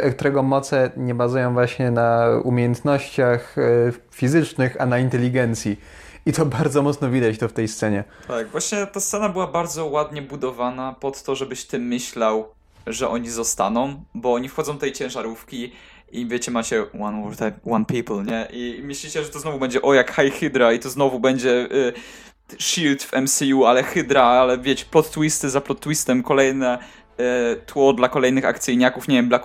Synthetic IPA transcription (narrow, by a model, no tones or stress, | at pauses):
kt̪uɾɛɡɔmɔt̪sɛɲɛbazujɔ̃w̃vwaɕɲɛnaumʲejɛnt̪nɔɕt͡ɕax | fʲizɘt͡ʂnɘxanaint̪ɛlʲiɡɛnt̪sʲji | it̪ɔbaɾd̪zɔmɔt̪snɔvʲid̪at͡ɕt̪ɔft̪ɛjst̪sɛɲɛt̪aɡvwaɕɲɛt̪ast̪sɛnabɘwabaɾd̪zɔwad̪ɲɛbud̪ɔvanapɔt̪ːɔʐɛbɘɕt̪ɘmːɘɕlaw | ʐɛʔɔɲizɔst̪a̰nɔ̃w̃bɔɔɲifxɔd̪zɔw̃ft̪ɛjt͡ɕɛ̃ʐaɾufkʲi | ivʲjet͡ɕɛmat͡ɕɛwanwɔɾt̪amwanpʲiplɲɛʔimɘɕlʲiɕɛʐɛt̪ɔznɔvubɛɲd͡ʑɛʔɔjakxajxɘd̪ɾait̪ɔznɔvubɛɲd͡ʑɛ | ʂilt̪fɛmsʲijualɛxɘd̪ɾaalɛvʲjet͡ɕɛ̥plɔt̪ːwist̪ɘzaplɔt̪ːwist̪ɛmkɔlɛjnɛ | t̪wɔd̪lakɔlɛjnɘxa̰kt̪sɘjɲakufɲevʲjɛmblak